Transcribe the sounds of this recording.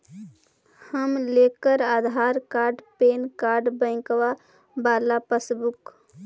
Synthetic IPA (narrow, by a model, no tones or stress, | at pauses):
həmlekəɾad̪ʱaɾkaɾɖpenkaɾɖbə̃ɪ̃kʋa | balapəsbuk